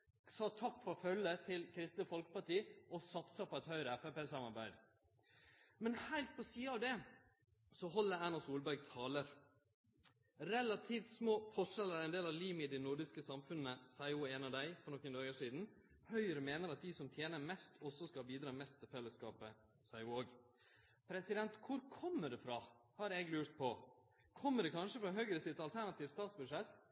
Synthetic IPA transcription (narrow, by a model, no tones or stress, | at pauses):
sɑːt̪ʰɑkːfɔɾɔfœlːət̪ʰɪlkʰɾɪst̪nəfɔlkə̥pɑʈiːɔsɑt̪sɑpʰɔɛt̪hœʏɾɛpɛpeːsɑmɑɾbæɪd̪ | mɛnhæɪlt̪̚pʰɔsiːəɑʋd̪ɛ | sɔɦɔlːəɾæːnɑsuːlbæɾɡ̚t̪ʰɑːləɾ | ɾɛlɑt̪ʰiːft̪smoːfɔʂɛlæɾɛɪnd̪eːlɑʋliːmɪd̪ɛnʊɖɪskəsɑmfʉnːəsæɪuːeːnɑd̪æɪfɔnɔkːənd̪ɑːɡəʂiːd̪n̩ | hœʏəɾəmeːnəɾɑt̪̚d̪ɪsɔmt̪ʰjeːnəɾmɛst̪ʰɔsːɔskɑbiːd̪ɾɑːmɛst̪ʰːɪlfɛlːəskɑːpə | sæɪuːoːɡ | pʰɾɛsɪd̪ɛnt̪kʰʊɾkʰɔmːəɖɛfɾɑhɑɾɛɡlʉːɾt̪̚pʰɔ | kʰɔmːəɖɛkʰɑnʂəfɾɑɦœɡɾəsɪt̪ɑlt̪ʰæɾɳɑt̪iːʋ̪st̪ɑːt̪sbʉʂɛt̪ː